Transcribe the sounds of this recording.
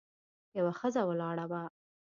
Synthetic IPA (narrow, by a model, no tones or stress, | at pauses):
jawaxəzawəlɑɽawa